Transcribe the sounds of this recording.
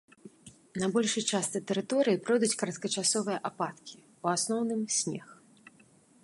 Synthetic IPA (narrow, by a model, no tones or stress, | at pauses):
nabɔlʲʂɨjt͡ʂast̪ɨt̪ɛɾɨt̪ɔɾɨjipɾɔjd̪ut͡sʲkɐɾɐt̪̚kɐt͡ʂasɔvɨjɐʔapat̪kʲi̥ | uasnɔwnɨmsʲnʲɛ̰x